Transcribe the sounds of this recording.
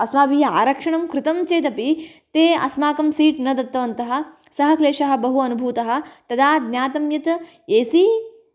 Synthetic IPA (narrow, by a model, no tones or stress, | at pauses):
ɐsmaːbija̰ːɾɐkʂɐɳɐmkɾɪt̪ɐmt͡ʃeːt̪ɐpit̪eːɐ̰smaːkɐmsiːʈnɐd̪ɐt̪ːɐʋɐnt̪ɐɦɐ̆ | sɐɦɐ̆kleːʂɐɦɐ̆bɐɦuɐnubʱuːt̪ɐɦɐ̆t̪ɐd̪aːd̪nʲjaːt̪ɐmjɐt̪ | eːsi